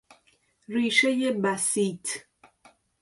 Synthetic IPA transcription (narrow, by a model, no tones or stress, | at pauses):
ɾiʃejebasit